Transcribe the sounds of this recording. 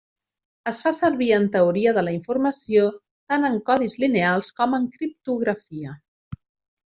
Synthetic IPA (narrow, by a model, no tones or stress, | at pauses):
əsfasəɾβiənt̪əuɾiəðələiɱfurməsio | t̪anəŋkɔðizlinealˠskɔməŋkɾip̚t̪uɣɾəfiə